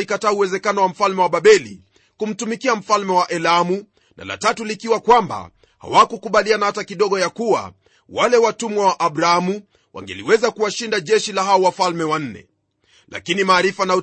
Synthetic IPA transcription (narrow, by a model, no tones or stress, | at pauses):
ikataːuwɛzɛkanɔwam̩falmɛwaɓaɓɛli | kum̩tumikiam̩falmɛwaʔɛlamu | na̰la̰tatulikiwakwamba̰ | ha̰wakukuɓalianahatakiɗɔɡɔjakuwa̰ | walɛwatumwawaʔaɓɾaamu | wa̰ŋɡɛ̰liwɛzakuwaʃindaʄɛʃilaɦaɔwafalmɛwan̩nɛ̰ | la̰kinimaːɾifanau